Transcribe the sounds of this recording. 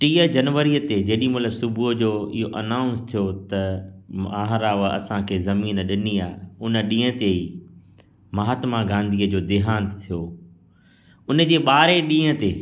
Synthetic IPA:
ʈiːəd͡ʑɐnʋəɾiət̪ed͡ʑeːɗĩmɐt̪ləbsʊbʱuəd͡ʑoːɪɦoʔɐnãːʊ̃nst̪ʰijot̪ɐ | aːɦɾaːʋəɐ̰sãkʰeːzɐmiːnɗɪniaːʊnə̆ɗĩːə̃t̪ei | mɐɦaːt̪maɡãːnd̪ʱiəd͡ʑoːd̪ɪɦãːnt̪ʰijo | ʊnə̆d͡ʑeːɓaːɾeɗĩːə̃t̪eː

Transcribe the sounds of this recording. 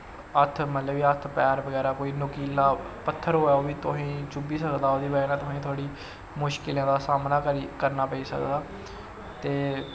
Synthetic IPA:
ət̪ʰmət̪ləbiːət̪ʰpɛːɾbəɡɛːɾaːkoːiːnʊkiːlaːpət̪ʰːəɾɦoːaːoːʋiːt̪ʊɦĩːt͡ʃʊbiːsəkd̪aːoːd̪iːbəɡɛːnãːt̪ʊsĩːt̪ʰʊaːɽiː | mʊʃkɪlãːd̪aːsaːmnaːkɾikəɾnaːpəiːsəkd̪aː | t̪eː

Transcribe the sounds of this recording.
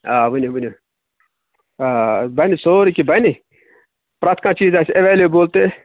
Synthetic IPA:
aːʋɨnʲuʋɨnʲu | aːbɐnisoːɾikibɐni | pɾɐt̪ʰkãːt͡ʃiːzaːsɐʋeːleːboːlt̪e

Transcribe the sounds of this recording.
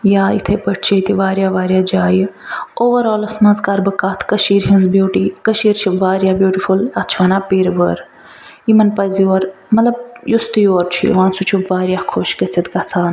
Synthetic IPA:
jaːḭt̪ʰɐpɐʈʰt͡ʃʰit̪iʋaːɾjaːʋaːɾjaːd͡ʒaːjoːʋɐɾoːlɐsmɐnzkaːɾbɨkaːt̪ʰkɐʃiːɾɦĩnzbjuːʈiːkɐʃiːɾt͡ʃʰiʋaːɾjaːbjuːʈifulɐt͡ʃʰʋɐnaːpiːɾʋəɾ | imɐnpɐzioːɾ | mɐt̪lɐb̚just̪joːɾt͡ʃʰḭʋãːnsut͡ʃʰuʋaːɾjaːkʰoːʃkɐt͡sʰɐt̪kɐt͡sʰaːn

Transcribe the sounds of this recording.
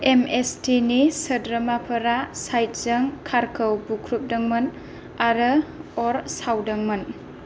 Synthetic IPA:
emestinisədɾəmapʰɐɾasajt̚z̥əŋkʰaɾkʰəwbukʰɾup̚dɐŋmɐn | aɾəɔɾsawdɐŋmɐn

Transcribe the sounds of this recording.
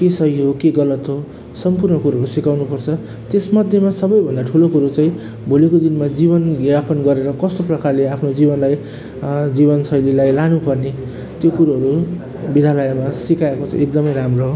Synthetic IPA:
kesʌjɦokeɡʌlʌt̪ɦo | sʌmpurnʌkuɾaɦʌɾusikawnupʌrt͡sʰʌ | t̪esmʌd̪ʱjemasʌbʌjbʱʌnd̪aʈʰulokuɾot͡saĩ | bʱolekod̪inmad͡zibʌnɡapʌnɡʌɾeɾʌkʌst̪oprʌkarleapʰnod͡zibʌnlaj | d͡zibʌnsʌjlilajlanupʌrne | t̪jokuɾaɦʌɾu | bid̪ʱalʌjamasikaekot͡sʰʌ̰̃ek̚d̪ʌmʌjɾamroɦo

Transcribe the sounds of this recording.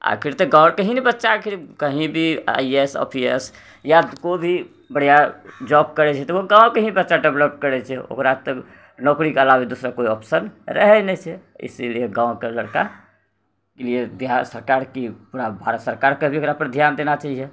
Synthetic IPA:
a̰kʰiɾt̪ɔɡãʊɽkəɦĩnɛbətːʃakʰiɾkəɦĩbʱia̰iesɔ̰pʰiḛs | jakobʱi | bəɽ̤ijad͡ʒɔbkəɾɛt͡ʃʰɛt̪ɔʋoɡãːõkəɦĩbətːʃaɖebləp̚kəɾɛt͡ʃʰɛo̰kɾat̪ɔ | nɔkɾikeəlabid̪usɾakoiɔpsənɾə̰ɦɛnɛt͡ʃʰɛḭselieɡãːokeləɽka | kelied̪ʱjasəɾkaːɾkipuɾabʱaɾət̪səɾkaɾkebʱiokɾapəɾd̪ʱjand̪enat͡ʃaɦijɛ

